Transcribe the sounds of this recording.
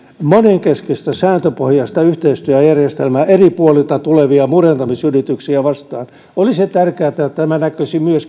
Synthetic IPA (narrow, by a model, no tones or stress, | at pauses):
moneŋkeskest̪æsæːnt̪øpohjɑst̪ɑyht̪eist̪yøæjærjest̪elmæʔeripuolilt̪ɑt̪uleʋiɑmurent̪ɑmisyrit̪yksiæʋɑst̪ɑːn | oliset̪ærkeæːt̪æt̪æmænækøsimyøs